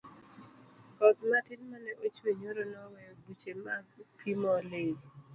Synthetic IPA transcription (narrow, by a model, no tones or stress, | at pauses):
kɔt̪matɪnmanɛʔot͡ʃweɲoɾonɔwɛbut͡ʃemaɡpʰimɔle